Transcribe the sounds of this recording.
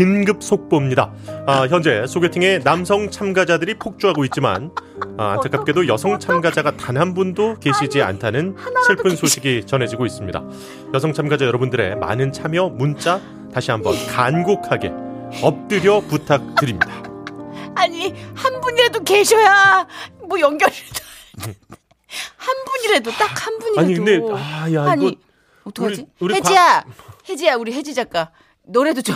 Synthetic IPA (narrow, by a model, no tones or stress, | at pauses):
kinɡɯp̚s͈ʰok̚p͈ʌmɲida̰ | çjʌnd͡ʑe̞sʰoɡe̞tʰɯŋe̞namsʰʌŋt͡ɕʰamɡad͡ʑadɯɾipʰok̚t͡ɕ͈uɦaɡoit̚t͡ɕ͈ima̰na̰ntʰak͈ap̚k͈edojʌsʰʌŋt͡ɕʰamɡad͡ʑaɡatanɦanbundoke̞ɕʰid͡ʑia̰ntʰanɯnɕʰiɭpʰɯnsʰoɕʰiɡit͡ɕʌnɦe̞d͡ʑiɡois͈ɯmɲida̰ | jʌsʰʌŋt͡ɕʰamɡad͡ʑajʌɾʌbundɯɾe̞̰ma̰nɯnt͡ɕʰamjʌmunt͡ɕ͈a | taɕʰiɦambʌ̰nkanɡokʰaɡe̞̰ʌp̚t͈ɯɾjʌputʰak̚t͈ɯɾimɲid̥a | aɲihanbuɲiɾedoke̞ɕʰʌjamojʌŋɡjʌɾiɾd͡ʑa | hanbuɲiɾedot͈ak̚hanbuɲiaɲikɯndeajɲʰ | iuɾieiahe̞d͡ʑijauɾiɦe̞d͡ʑid͡ʑak͈a | nʌɾe̞dot͡ɕ